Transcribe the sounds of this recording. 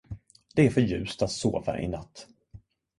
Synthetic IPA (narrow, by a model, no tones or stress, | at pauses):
d̪̥ɛæɾfœɾjʉ̟ːst̪at̪soːva̰ʔɪ̰nat̪ː